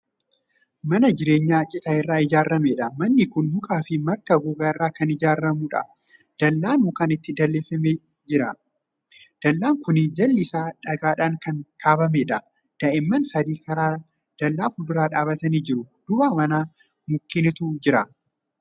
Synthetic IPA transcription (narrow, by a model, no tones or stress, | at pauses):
mɐnɐd͡ʒɪɾe̞ːɲːaːt͡ʃʼɪt̪ɐɪrːaːɪd͡ʒaːrːɐmeᶑɐmɐnːɪkʊnmʊkʼaːfɪmɐɾkɐɡʊɡaːɪrːaːkɐnɪd͡ʒaːrːɐmuːᶑɐ̰ | d̪̥ɐlːaːnmʊkɐnɪt̪ːɪd̪ɐlːeːfɐmeː | d͡ʒɪɾɐ | d̪̥ɐlːaːŋkʊnɪd͡ʒɐlːɪsaːᶑɐɡaːᶑaːŋkɐnkʰaːbɐmeːᶑɐ | d̪̥ɐʔɛmːɐnsɐd̪iːkɐɾaː | d̪̥ɐlːaːfʊd̪ʊɾaːᶑaːbɐt̪ɐniːd͡ʒɪɾʊd̪̥ʊbaːmɐnaː | mʊkːɪnɪt̪ʊd͡ʒɪɾɐ